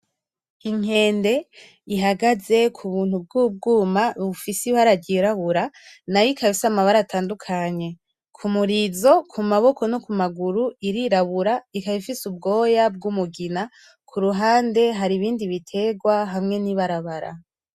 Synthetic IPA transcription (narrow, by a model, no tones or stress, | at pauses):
iŋ̥e̞ːnde̞ | iɦaɡaze̞kʰuβuːn̥hub̚ɡuːb̚ɡuːmaβufisiβaɾaɟiɾaβuɾanajikaβisamaβaɾatʰaːndukʰaɲe̞ | kʰumuɾizo̞kʰumaβo̞kʰo̞nokumaɡuɾuiɾiɾaβuɾaikaβifisub̚ɡo̞ːjab̚ɡumuɡina | kʰuɾuɦaːnde̞ɦaɾiβiːndiβitʰe̞ɡwaɦamŋe̞niβaɾaβaɾa̰